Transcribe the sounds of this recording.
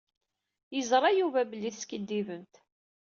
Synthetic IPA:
jəzɾˤɑjuvæbəlːiθskəd̪ːivənt̪

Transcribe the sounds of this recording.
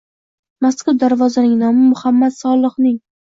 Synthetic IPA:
masqɨd̪aɾvɒzanɪŋnamʊmʊhamːat̪sɒlˠɨχnɪŋ

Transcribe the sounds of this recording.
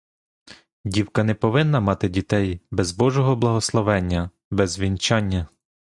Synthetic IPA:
dʲiwkɐnɛpɔʋɪnːɐmɑt̪ɪdʲit̪ɛjbɛzbɔʒɔɦɔblˠɐɦɔslˠɔʋɛnʲːɐ | bɛzʋʲint͡ʃɑnʲːɐ

